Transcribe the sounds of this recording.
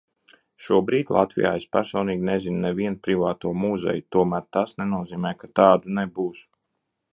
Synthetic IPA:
ʃuɔbɾiːd̪ʲlˠa̰t̪vḭja̰ːespæɾsɔːniːɡʲnezinnɛviɛnpɾivaːt̪uɔmuzɛ̰jut̪uɔmæːɾt̪asnenuɔziːmɛjkat̪ɑːd̪unɛbuːs

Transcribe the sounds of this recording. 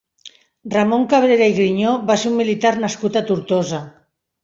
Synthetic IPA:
ramoŋkaβɾeɾaiɣɾiɲoβaseɾumːilit̪aɾnaskut̪at̪uɾt̪oza

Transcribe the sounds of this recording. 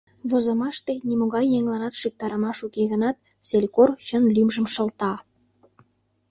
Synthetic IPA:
βozəmɑʃt̪enʲimoɣɑjːeŋlɑnɑt̪ʃyk̚t̪ɑɾəmɑʃukeɣənɑt̪̚ | t͡selʲkort͡ɕənlymʒə̆mʃə̆lt̪ɑ

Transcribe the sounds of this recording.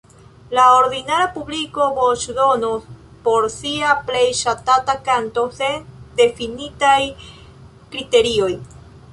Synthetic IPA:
lao̞ɾdinaɾapubliko̞bot͡ʃdo̞nos | po̞ɾsiaple̞jʃatatakanto̞se̞nde̞finitaj | kɾite̞ɾio̞j

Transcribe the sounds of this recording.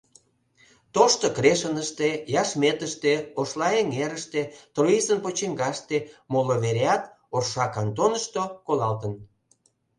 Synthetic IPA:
t̪oʃt̪okɾeʃənəʃt̪ejɑʃmet̪əʃt̪eoʃlɑeŋeɾəʃt̪et̪roisənpot͡ɕiŋɡɑʃt̪emoloβeɾeɑt̪ | orʃɑkɑnt̪onəʃt̪okolɑlt̪ən

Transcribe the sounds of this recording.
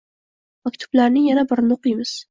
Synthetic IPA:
makʲt̪ʰʊ̥blaɾnɪŋjanabɪɾnoqijmɪz̥

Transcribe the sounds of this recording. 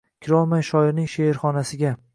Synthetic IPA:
kʲʰɪɾɒlˠmajʃɒɪɾnɪŋʃeɪɾχɒnasɪɡʲa

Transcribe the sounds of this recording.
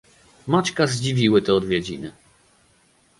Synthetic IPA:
mat͡ʃkazd͡ʑivʲiwɘt̪ɛɔd̪vʲjɛd͡ʑinɘ

